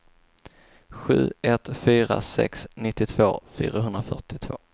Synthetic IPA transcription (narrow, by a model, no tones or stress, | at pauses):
ɧʉ̟ːɛt̪fyːɾa̰sɛ̰ksnɪt̪ːɪt̪ʰv̥oːfy̰ːɾaɦɵnd̪ɾafœʈɪt̪ʰvoː